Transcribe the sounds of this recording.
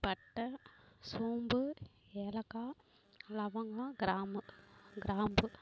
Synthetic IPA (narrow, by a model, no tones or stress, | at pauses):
pɐʈːɐsuːmbɯ | eːlɐkːaː | lɐʋɐŋɡaːɡɪɾaːmɯɡɪɾaːmbɯ